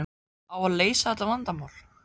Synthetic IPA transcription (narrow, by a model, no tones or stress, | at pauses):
awaðleːjsaðɛt̪avant̪amawl